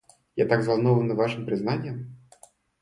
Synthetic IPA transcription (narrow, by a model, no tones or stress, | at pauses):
jat̪aɡzvalˠnovənəvaʂɨmpɾʲɪznanʲɪjəm